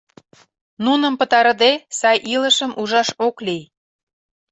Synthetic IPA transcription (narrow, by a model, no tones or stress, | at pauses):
nunə̆mpə̆t̪ɑɾəd̪esɑjʔilə̆ʃəmʔuʒɑʃoklij